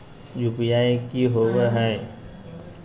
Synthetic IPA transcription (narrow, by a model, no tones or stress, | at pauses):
jupjaːekiɦoʋeɦɛ